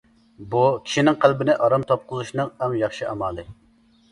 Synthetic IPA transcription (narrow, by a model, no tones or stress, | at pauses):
bukʲʰi̥ʃinɪŋqʰælbɪnɪʔɑɾɑmt̪ʰop̚qʊzuʃnɨŋæŋjɑχʃiʔɑmɑːlˠɨ